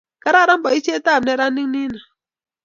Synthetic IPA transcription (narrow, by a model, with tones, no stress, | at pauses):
ka˦ɾa˦˨ɾa˦m̩˦ba˨i˦t͡ʃi˦e˦ta˦˨ne˦ɾa˦nː˦i˦ŋ˦ni˦na˨